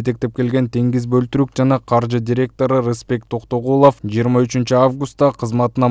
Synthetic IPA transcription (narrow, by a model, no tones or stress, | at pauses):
et̪e̞k̚t̪e̞p̚ke̞lɡʲe̞nt̪ʰeŋɡizbølt̪yɾyk̚d͡ʒɑnɑqʰɑɾʒɨd̪ʲiɾʲe̞k̚t̪o̞ɾɨɾəspe̞k̚t̪ʰo̞qt̪o̞ʁulˠo̞fd͡ʒijəɾmɑyt͡ʃynt͡ʃyavɡust̪ːɑqʰəzmɑt̪ənɑ